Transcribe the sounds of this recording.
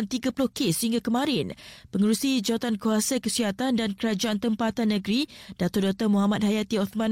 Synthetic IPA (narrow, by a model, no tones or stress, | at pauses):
nt̪iɡapulʊhkesːəhiŋɡakəmãɾɪnpəŋəɾusid͡ʒawat̪ankuasakəsiɦat̪andankəɾad͡ʒaant̪əmpat̪anːəɡɾid̥at̪ɔrdat̪ɔmuɦamat̪̚hajat̪iɔt̪mãn